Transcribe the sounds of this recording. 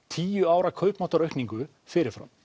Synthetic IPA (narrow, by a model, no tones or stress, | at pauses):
t̪ʰiːjʏaːwɾakʰœɥpmawt̪aɾœɥhkniŋkʏ | fɪɾɪɾ̥fɾa̰m